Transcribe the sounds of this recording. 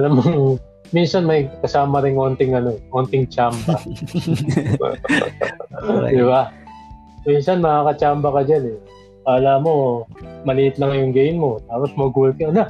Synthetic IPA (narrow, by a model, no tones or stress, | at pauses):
ʔɐlɐmoŋ | minsɐnmɐjkɐsaːmɐɾɪŋʔo̞ːnt̪ɪŋɐno̞ʔont̪ɪŋt͡ʃambɐ | d̪ɪba | minsɐnmɐakɐt͡ʃaːmbɐkɐd͡ʒanɛ | paːlaːʔmo̞mɐliʔɪt̪lɐkɐjʊŋɡejnmo̞t̪aːpo̞smɐɡulkɐna